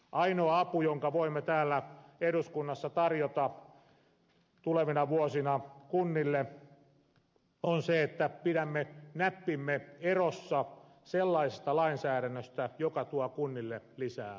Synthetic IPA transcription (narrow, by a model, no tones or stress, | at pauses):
ʔɑinoːɑpujoŋkɑʋoimːet̪æːlːæeɾuskunːɑsːɑt̪ɑrjot̪ɑ | t̪uleʋinɑʋuosinɑkunːilːe | onseet̪ːæpiɾæmːenæpːimːeerosːɑ | selːɑisest̪ɑlɑinsæːɾænːøst̪æjokɑt̪uɑkunːilːelisæː